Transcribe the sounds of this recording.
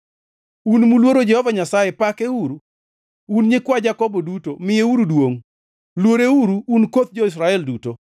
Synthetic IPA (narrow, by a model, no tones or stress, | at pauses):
unmulwoɾod͡ʒɛhɔvaɲasajepakeuɾu | unɲɪkwad͡ʒakɔbodutomɪjeuɾudwoŋ | lwoɾeuɾuːnkot̪̚d͡ʒois̬ɾaɛlduto